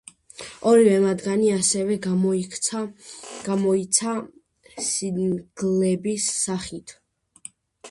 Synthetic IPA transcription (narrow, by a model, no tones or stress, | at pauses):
ɔɾivɛmad̪ɡaniasɛvɛ | ɡ̥amɔisʰa | siɡ̥lɛbisːaχit̪ʰ